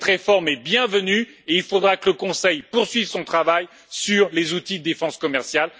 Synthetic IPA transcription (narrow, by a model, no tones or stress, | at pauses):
t̪χefɔʁmɛbjɛ̃vəny | eilfod̪ʁakələkɔ̃sɛjpuʁsɥivsɔ̃t̪χavaj | syʁlezut̪id̪əd̪efɑ̃skɔmɛʁsjal